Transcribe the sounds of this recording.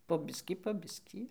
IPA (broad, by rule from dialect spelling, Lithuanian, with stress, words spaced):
poː ˈbʲɪsʲkʲiː poː ˈbʲɪsʲkʲiː